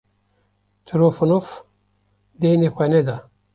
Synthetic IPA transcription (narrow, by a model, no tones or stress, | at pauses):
tʰiɾofunof | denixʷeneda